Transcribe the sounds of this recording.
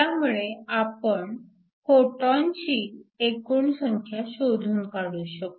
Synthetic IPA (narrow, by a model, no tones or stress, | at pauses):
jamuɭeapəɳ | foʈaɲt͡ɕiːekuːɳsəŋkʰjaɕoɾʱuːnkaɽuːɕək̚